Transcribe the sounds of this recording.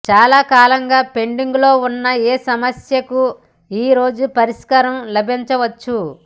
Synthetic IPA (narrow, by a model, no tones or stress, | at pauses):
t͡ʃaːlaːkaːlɐŋɡaːpe̞ɳɖiŋɡlo̞ːunːɐeːsɐmɐsjɐku | iːɾo̞ːd͡ʒupɐɾiʂkɐɾɐmlɐbʱiɲt͡ʃɐʋɐt͡ʃːu